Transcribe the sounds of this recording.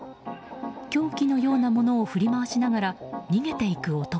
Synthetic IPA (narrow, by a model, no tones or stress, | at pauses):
kʲo̞ːkʲino̞jo̞ːnamo̞no̞ːɸɯ̟ɾʲimaβaɕinaɡaɾaɲ̟iɡe̞t̪e̞ikɯ̟o̞t̪o